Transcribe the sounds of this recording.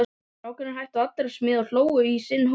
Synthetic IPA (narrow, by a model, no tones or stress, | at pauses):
aːwkʏnaɾɦajht̪aat̪laɾsmɪːðawl̥oːwʏisɪnːh